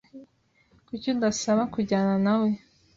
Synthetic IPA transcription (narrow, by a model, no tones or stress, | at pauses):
kucondasaβakuɟaːnanawe̞